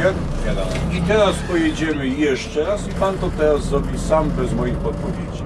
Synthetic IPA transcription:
ɛ | ad̪a̰it̪ɛɾaspɔjed͡ʑɛmɘjɛʂt͡ʂɛɾasipant̪ɔt̪ɛɾazɾɔbʲisambɛzmɔjixɔt̪̚pɔvʲjed͡ʑi

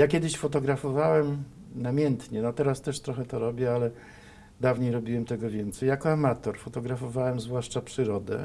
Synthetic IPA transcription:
jakʲɛd̪ɘɕfɔt̪ɔɡɾafɔvawɛm | namʲjɛnt̪ɲɛnɔt̪ɛɾast̪ɛʂt̪ɾɔxɛt̪ɔɾɔbʲjɛalɛ | d̪avɲejɾɔbʲiwɛmt̪ɛɡɔvʲjɛnt̪sɛjakɔamat̪ɔɾfɔt̪ɔɡɾafɔvawɛmzvwaʂt͡ʂapʂɘɾɔd̪ɛ̰

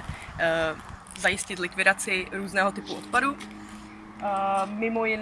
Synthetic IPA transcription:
zajɪscɪt̪lɪkvɪdat͡sɪɾuːznɛːɦo̞t̪ɪpuot̪padu | mɪmo̞jɪn

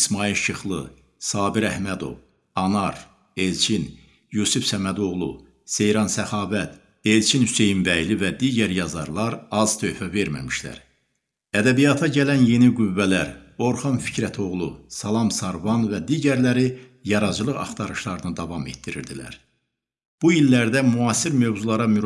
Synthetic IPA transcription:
ismɑilʃʰɯχlˠɯ | sɑːbiɾæhmæd̪o̞̰v | ɑnɑɾ | e̞lt͡ʃʰin | jusufsæmæd̪o̞ʁlˠṵ | se̞jɾɑnsæχɑːvæt̪ʰ | e̞lt͡ʃʰinhyse̞jimbæjlivæd̪iːɟæɾjɑzɑ̰ɾlˠɑɾɑz̥t̪ʰø̞jfæveɾmæ̰miʃlæ̰ɾ | æd̪æbijɑt̪ʰɑɟælænje̞niɡuvːælæɾo̞ɾχɑnfi̥cʰɾæt̪ʰo̞ʁlˠusɑlˠɑmsɑɾvɑnvæd̪iːɟæɾlæɾi | jɑɾɑd͡ʒɯlˠɯʁɑ̰χt̪ʰɑɾɯʃlˠɑɾɯnɯd̪ɑvɑme̞̰t̪d̪iɾḭɾd̪ilæ̰ɾ | b̥ujilːæɾd̪æmuɑːsiɾmøvzulˠɑɾɑmy

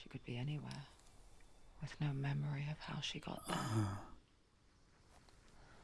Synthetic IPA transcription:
ʃikʰɨd̚biɛniwɛ̰ | wɨð̥noʊmɛmə˞iʌv̥haʊʃiɡɑ̰t̚

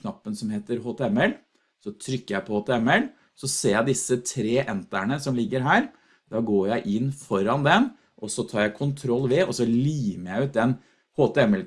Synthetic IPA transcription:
nɑpːənsɔmheːt̪əɾɦoːt̪ʰɛɛmɛl | sɔt̪ʰɾʏkːəɾjæɪpʰɔhoːt̪ɛɛmɛl | sɔseːɾjæɪd̪ɪsːət̪ʰɾeːʔɛnt̪æɳəsɔmlɪɡːəɾɦæːɾ | d̪̥ɑːɡoːɾjæɪʔɪnːfɔɾɑnd̪ɛn | ʔɔsɔt̪ʰɑːɾjæɪkʰʊnt̪ʰɾɔlːʋɛɔsɔliːməɾjæɪʉːt̪̚d̪ɛn | hoːt̪ɛɛmɛl

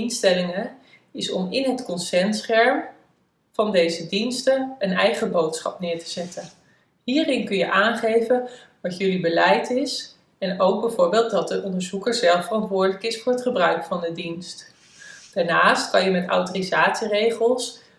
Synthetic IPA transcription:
instɛlɪŋə | ɪsɔ̰mɪnɦətkɔnsɛnsχɛɹm | v̥ɑndejzədinstəənɛjχəbowtsχɑ̰pnɪːɹtə̥z̥ɛtʰən | ɦiːrɪnkɵnjə̰ʔaːnχejvən | ʋɑtjɵlibəlɛjtɪs | ɛnowɡ̚bəvʊːɹbɪːlˠt̚dɑt̚dəʔɔndəɹzukəɹzɛlˠfərɑntʋʊːɹdələkɪsfʊːɹɦətχəbrœɥkfɑndədinst | d̥aːɹnaːstkɑnjəmɛta̰wtorizaːtsirejχəlˠs

